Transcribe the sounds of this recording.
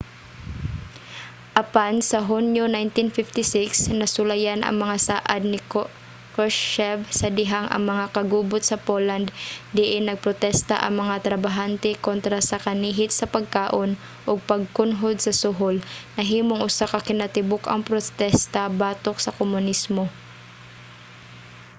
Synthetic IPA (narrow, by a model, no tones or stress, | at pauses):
ʔɐpansɐɦunjonajnt̪ɪnfɪft̪ɪsɪksnɐsʊlɐjanʔɐ̰ŋmɐŋasaːʔad̪̚nɪk | koʃːɛvsɐd̪ɪɦaŋʔɐ̰ŋmɐŋakɐɡuːbʊt̪̚sɐpoland̪d̪ɪʔɪnɐɡ̚pɾot̪ɛst̪ɐ̰ʔɐ̰ŋmɐŋat̪ɾɐbaɦant̪ɛkont̪ɾasɐkɐniːɦɪt̪̚sɐpɐɡ̚kaːʔon | ʔoɡ̚pɐɡ̚kʊnɦod̪̚sɐsʊɦolnɐɦiːmoŋʔʊsakɐkɪnat̪ɪbʊkɐŋpɾot̪ɛst̪ɐbaːt̪ok̚sɐkomʊnismo